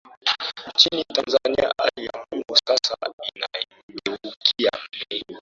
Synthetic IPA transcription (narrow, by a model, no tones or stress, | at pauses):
t͡ʃinitɐnzaːnɪja̰ʔaljamʊmusasaʔɪnajiindwukʲɪjane